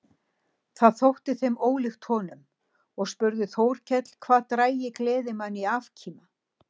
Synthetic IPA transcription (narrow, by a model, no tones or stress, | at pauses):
θaðθowht̪ɪθejmoːwlɪxt̪hɔːnʏm | ɔɣspʏɾðʏθowɾ̥cʰɛt̪l̥kʰvaːðt̪ɾaːjɪklɛːðɪmanːiaːvcʰiːma